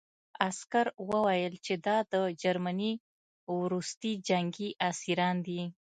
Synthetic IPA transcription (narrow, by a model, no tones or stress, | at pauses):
askaɾwəwajəlt͡ʃed̪ɑd̪əd͡ʒaɾmani | wɾust̪id͡ʒaŋɡiʔasiɾɑnd̪i